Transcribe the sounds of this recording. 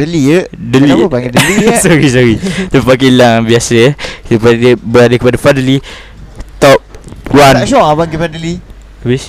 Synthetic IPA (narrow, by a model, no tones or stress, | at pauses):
dəliədəliaidlisɔɾisɔɾit̪əpak̬ilaŋbiasəsəpaəbəɾadəkəpadafadəli | t̪ɔp̚wanʃɔabaɡifadəli | bis